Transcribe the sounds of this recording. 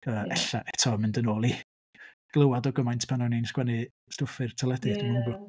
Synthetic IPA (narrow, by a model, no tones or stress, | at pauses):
əːɛɬa̰ʔɛtʰɔmɪndənoːlˠi | ɡ̥lˠəwadɔɡəmajntʰpʰanɔjninskwɛnɨ | stʊfɨrtʰɔlˠɛdɨdəməŋbʊ